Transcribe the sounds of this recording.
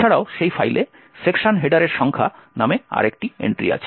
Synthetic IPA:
aɽaoʃejfajle | sekʃanɦeɖaɾeɾʃɔŋkʰanamea̰ɾek̚ʈiḛɳʈɾḭa̰t͡ɕʰe

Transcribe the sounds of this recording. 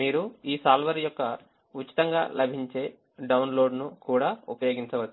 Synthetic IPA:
miːɾuiːsaːlʋɐɾjɔkːɐ | ut͡ʃːi̥t̪ɐŋɡa̰ːlɐbʱiɲt͡ʃe̞ː | ɖɐwnlo̞ːɖnukuːɽaːupɐjoːɡiɲt͡ʃɐʋɐt̪

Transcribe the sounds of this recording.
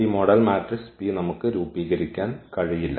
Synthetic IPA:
iːmoɽɐlmaːʈrɨspijnɐmukːɨɾuːbiːɣɐɾikʲːaːnkɐɻijilːɐ̰

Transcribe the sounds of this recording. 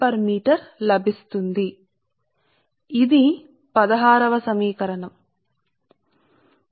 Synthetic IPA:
pɐɾmiːʈɐɾlɐbʱist̪und̪i | d̪i | pɐd̪ɐɦaːɾɐʋɐsɐmiːkɐɾɐɳɐm

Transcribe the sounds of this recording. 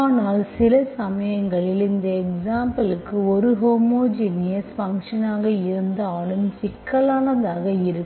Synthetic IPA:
aːnaːlsɪlɐsɐmɐjɐŋɡɐɭɪɾɯnd̪ɐɛksaːmpɐlɯkːɯɔɾɯɦoːmoːd͡ʒinɪjɐsfɐŋkʂɐnaːɣɐɪɾɯnd̪ɐaːɭɯmsɪkːɐlaːnɐðaːɣɐɪɾɯkː

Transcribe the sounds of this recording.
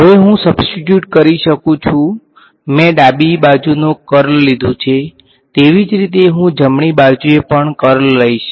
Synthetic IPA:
ɦəʋeɦũsəbsʈiʈjuʈkəɾiʃəkũt͡ʃʰũ | mɛ̃ɖabibad͡ʒunokəɾlːid̪ʱũt͡ʃʰe | t̪eʋid͡ʒɾit̪eɦũd͡ʒəmɳibad͡ʒuepəɳkəɾlːəiʃ

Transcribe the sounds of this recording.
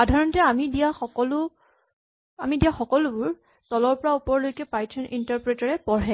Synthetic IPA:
xadʱaɹɔntɛamidiaxɔkɔlʊ | amidijaxɔkɔlʊbʊɹ | tɔlɔɹpɔɹaupɔɹlojkɛpajtʰɔnʔintaɹpɹetaɹɛpɔɹɛ

